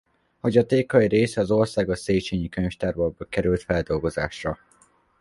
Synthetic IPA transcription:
ho̞ɟɒt̪eːkɒiɾeːsɛɒzo̞rsaːɡɒseːt͡ʃeːɲikøɲʃt̪arbɒɡ̚bɒkɛɾylt̪fɛld̪o̞lɡo̞za̰ːʃrɒ

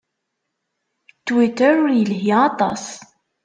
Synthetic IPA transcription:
t͡sːwit̪əɾʊɾjəlɦjiɑt̪ˤɑ̰s

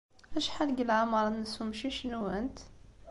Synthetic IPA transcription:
æʃħalɡəlʕamɑɾˤɑnəshumʃiʃnuənt̪

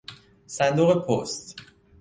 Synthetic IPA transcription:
sænd̪oːɣepʰost̪

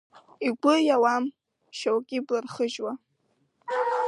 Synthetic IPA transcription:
iɡʷʊjawam | ʃowkʲʼiblarχəʒwa

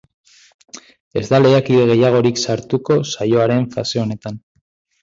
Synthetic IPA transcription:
e̞zd̪ale̞akiðe̞ɣe̞jaɣ̞o̞ɾiksaɾt̪uko̞sajo̞aɾe̞ɱfase̞o̞ne̞t̪an

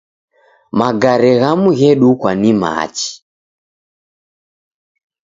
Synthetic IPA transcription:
maɡaɾɛɣamuɣɛɗukwanima̰ːt͡ʃi̥

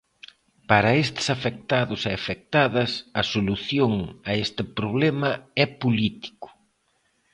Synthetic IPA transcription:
paɾɐest̪ɪ̥safek̚t̪aðʊseafek̚t̪aðɐsɐsoluθjoŋɐest̪ɪpɾoβ̞lɛmɐɛpolit̪i̥kʊ̥

